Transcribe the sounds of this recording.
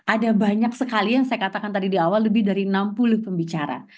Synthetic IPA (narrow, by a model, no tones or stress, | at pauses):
ʔadabaɲaksəkalijaŋsajakat̪akant̪adidiawalːəbɪhdaɾiənampulʊhpəmbit͡ʃaɾa̰